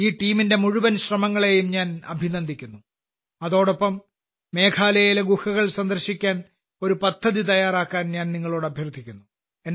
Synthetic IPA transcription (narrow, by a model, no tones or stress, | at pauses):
iːʈiːminde̞muɻuʋɐnɕrɐmɐŋːɐɭe̞jumɲaːnɐ̰bʱinɐnd̪ʱikʲːunːu | ɐðo̞ːɽopːɐmː | e̞ːkʰaːlɐjjileɡuhɐɣɐɭsɐnd̪ɐrɕikʲːaːn | o̞ɾupɐd̪ʱːɐðit̪ɐjaːɾaːkːaːnɲaːnniŋːɐɭoːɽɐbʱjɐrd̪ʱikʲːunːu | en